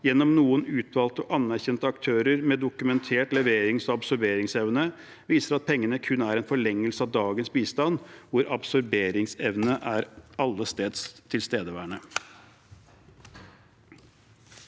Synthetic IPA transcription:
jɛnːɔmnuːənʉːt̪ʰʋɑːlt̪əɔʔɑnːæɾçɛnt̪əɑkt̪ʰøːɾəɾmɛd̪ʊkʉmɛnt̪ʰeːʈlɛʋeːɾɪŋsɔɑbsɔɾbeːɾɪŋsɛʋnə | ʋiːsəɾɑt̪̚pʰɛŋːənəkʰʉnːæɾɛnfɔɭɛŋːəlsəɑʋd̪ɑːɡənsbiːst̪ɑnʋʊɾʔɑbsɔɾbeːɾɪŋsɛʋnəʔæɾɑlːəst̪eːd̪st̪ʰɪlst̪eːd̪əʋæːɳə

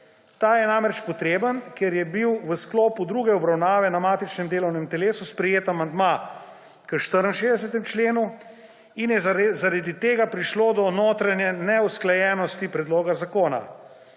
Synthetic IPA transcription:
t̪aːjɛnamɾɛt͡ʃpɔt̪ɾeːbənkɛɾjɛbiwʋəskloːpud̪ɾuːɡɛɔbɾawnaːʋɛnamaːt̪it͡ʃnɛmd̪eːlɔwnɛmt̪ɛleːsuspɾɛjeːt̪amand̪ma | kəʃt̪əɾənʃeːzd̪ɛsɛt̪ɛmt͡ʃleːnu | injɛzaɾad̪it̪eːɡapɾiʃloːd̪ɔnoːt̪ɾanjɛnɛusklajɛːnɔst̪ipɾɛd̪loːɡazakoːna̰

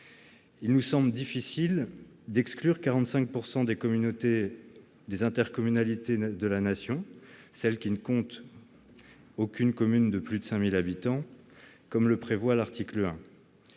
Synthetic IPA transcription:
ilnusɑ̃bləd̪ifisil | d̪ɛksklyʁkaʁɑ̃t̪sɛ̃k̚puʁsɑ̃d̪ekɔmynot̪e | d̪ezɛ̃t̪ɛʁkɔmynalit̪ed̪əlanasjɔ̃ | sɛlkʲinəkɔ̃t̪ | okʲynkɔmynd̪əplyd̪əsɛ̃milabit̪ɑ̃kɔmləpχevwalaʁt̪ikləɛ̃

